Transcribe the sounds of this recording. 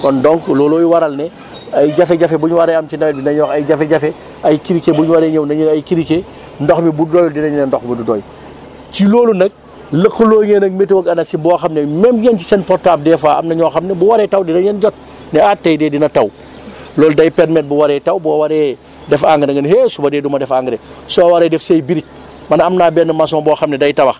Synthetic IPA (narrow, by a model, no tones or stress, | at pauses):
kɔndɔŋklɔːlɔːjuwɐɾɐlnɛ | ɐjɟɐfɛɟɐfɛbuɲwɐɾɛɐmt͡ʃinɐmɛdinɐɲɔːxɐjɟɐfɛɟɐfɛ | ɐjkiɾikebuɲwɐɾɛɲɐwnɐɲɐjkiɾike | ndɔxmibuddɔːjɔdinɐɲunɐndɔxmidudɔ̰ːj | cilɔːlunɐk̚ | ləqːəlɔːɲenɐk̚metiwɐkɐnɐsibɔːxɐmnɛmɛmɲɛnt͡ʃi̥sɛnpɔɾtaːb̚dɛːfaːɐ̰mnɐɲɔːxɐmnɛbuwɐɾɛtɐwdinɐɲɛnd͡ʒɔt̚ | nɛatːɐjdɛːdinɐtɐw | lɔːldɐjpɛɾmɛt̚buwaɾɛtɐwbɔːwaɾɛː | dɛfaŋɡəɾɐŋɡɐnɦesubɐdɛːdumɐdɛfaŋɡɾesɔbɐwaɾɛdɛfsejbiɾic̚ | mɐnɐmnaːbɛnɐmas̬ɔmɐbɔːxɐmnɛdɐjtɐbɐx